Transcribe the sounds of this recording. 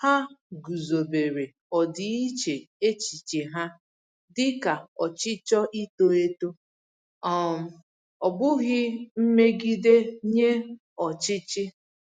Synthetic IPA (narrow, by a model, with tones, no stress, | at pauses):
ha˦ɡu˨zo˨be˨ɾe˨ | ɔ˨dɪ˨i˦t͡ʃe˨e˦t͡ʃi˨t͡ʃe˨ɦa˦ | dɪ˦ka˨ɔ˨t͡ʃɪ˦t͡ʃɔ˦ʔi˦to˦e˦to˦ | ɔ˦m̩˨ | ɔ˨bʊ˦ɣɪ˦m̩˦me˦ɡi˦de˦ɲe˦ | ɔ˨t͡ʃɪ˦t͡ʃɪ˦